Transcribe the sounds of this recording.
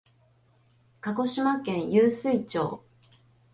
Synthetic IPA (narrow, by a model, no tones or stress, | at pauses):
kako̞ɕimakẽ̞ɰ̃jɨːsɨit͡ɕo̞̰ː